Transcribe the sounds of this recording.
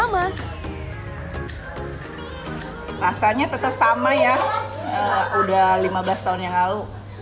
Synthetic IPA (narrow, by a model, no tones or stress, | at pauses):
ama | rasaɲat̪ət̪əpsamajaəudahlimablast̪aɦʊnjaŋlalu